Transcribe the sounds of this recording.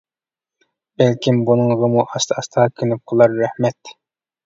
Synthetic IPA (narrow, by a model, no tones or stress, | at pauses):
bɛlkʲimbunɨŋʁəmuʔɑst̪ʰɑst̪ʰɑkʲʰynyp̚qʰəlˠɑɾːæhmɛt̪